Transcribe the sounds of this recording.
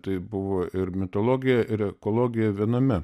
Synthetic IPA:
t̪ɐɪbʊʋoːʔɪɾmʲɪt̪olˠoːɡʲɪjɛʔɪɾɛkoːlˠoːɡʲɪjɛʋʲiɛnɐmʲɛ

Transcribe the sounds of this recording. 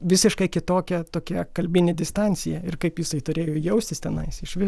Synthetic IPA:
ʋʲɪsʲɪʃkɐɪkʲɪt̪oːkʲɛt̪oːkʲɛkɐlʲbʲɪnʲɪd̪ʲɪst̪ɐnʲt͡sʲɪjɛɪrkɐɪpjɪsɐɪt̪ʊɾʲeːjoːjɛʊsʲt̪ʲɪst̪ʲɛnɐɪsɪʃʋʲɪ

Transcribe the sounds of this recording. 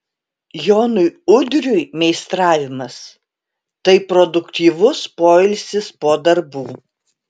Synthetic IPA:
joːnʊjʊd̪ʲɾʲʊjmʲɛɪst̪ɾɑːʋʲɪmɐs | t̪ɐɪpɾɔd̪ʊkt̪ʲiːʋʊspoːɪlʲsʲɪspoːd̪ɐɾbuː

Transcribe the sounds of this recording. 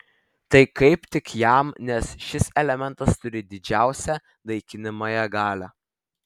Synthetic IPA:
t̪ɐɪkɐɪpt̪ʲɪkjæˑmnʲɛsʃʲɪsɛlʲɛmʲɛnˑt̪ɐst̪ʊɾʲɪd̪ʲɪd͡ʒʲæˑʊsʲæ | d̪ˠɐɪkʲɪnʲɪmɐjɛɡɑːlʲæː

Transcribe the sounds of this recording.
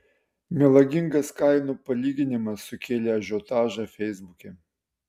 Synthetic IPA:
mʲɛlˠɐɡʲɪŋɡɐskɑɪnupɐlʲiːɡʲɪnʲɪmɐsːʊkʲeːlʲeɐʒʲot̪ɑːʒɐfʲɛjzbʊkʲɛ

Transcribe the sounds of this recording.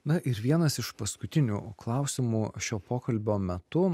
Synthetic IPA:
nɐʔɪɾʋʲiɛnɐsɪʃpɐskʊt̪ʲɪnʲuklˠɑˑʊsʲɪmuːʃʲoːpoːkɐlʲbʲoːmʲɛt̪ʊ

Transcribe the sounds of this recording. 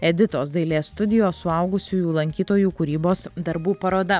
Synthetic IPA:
ɛd̪ʲɪt̪oːsd̪ɐɪlʲeːst̪ʊd̪ʲɪjoːsʊɐʊɡʊsʲuːjuːlˠɐŋʲkʲiːt̪oːjuːkʊɾʲiːboːsd̪ɐɾbuːpɐɾoːd̪ɐ

